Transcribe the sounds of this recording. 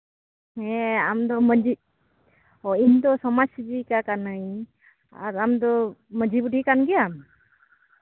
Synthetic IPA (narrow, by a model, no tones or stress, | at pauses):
ɛamd̪ɔməd͡ʒi | ɔiɲd̪ɔsɔmasid͡ʒikakanəj | a̰ɾamd̪ɔməd͡ʒibuʈikanɡɛam